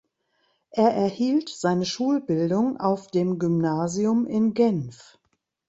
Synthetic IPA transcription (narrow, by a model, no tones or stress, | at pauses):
ʔeːɐʔɛɐhiːltz̥aɪnəʃuːlbɪldʊŋʔa̰ʊfd̥eːmɡymnaːziʊmɪnɡɛnf